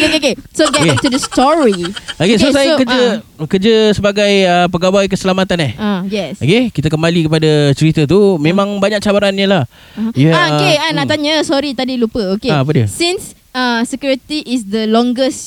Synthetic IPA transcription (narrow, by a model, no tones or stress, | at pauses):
okeokesoɡɛktudəstɔɹiokesosajkəd͡ʒəkəd͡ʒəsəbaɡajəpəɡawajkəsəlamat̪anahajɛsokekit̪akəmbalikəpadat͡ʃəɾit̪ət̪umẽmãŋbaɲak̚t͡ʃabaɾanɲəlah | juhɛaokeanaʔt̪aɲəsɔɾit̪adilupəokeaop̬ədiəsĩns | asəkjuɾit̪iʔɪsdəlɔ̃ŋɡəs